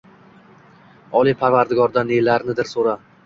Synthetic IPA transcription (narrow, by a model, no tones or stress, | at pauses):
ɒlˠipʰaɾvaɾd̪ɪɡɒɾd̪anelaɾnɪd̪ɪɾsoɾa